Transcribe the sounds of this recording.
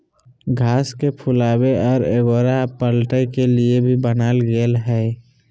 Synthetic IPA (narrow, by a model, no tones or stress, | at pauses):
ɡʱaːskepʰʊlaːbeʔɔːɾeɡoːɾapəlʈəjkeliebʱibənaːlɡelɦɛː